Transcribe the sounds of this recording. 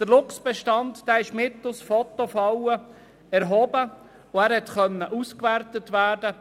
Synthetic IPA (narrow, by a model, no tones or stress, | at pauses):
d̪̥əɾlʊksb̥ɛʃtɑndd̥æːɪʃmɪt̪ːʊsfɔt̪ofɑwə | ɛɾɦɔbə | ʊæːɾhɛt̪χœnːəʔuskʋærtətʋæːdə